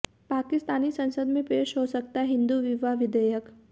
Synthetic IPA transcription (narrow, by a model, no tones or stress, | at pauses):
paːkɪst̪aːnisɐ̃nsəd̪mẽpeːʃɦosək̚t̪aɛɦɪ̃nd̪uʋɪʋaʋɪd̪əjək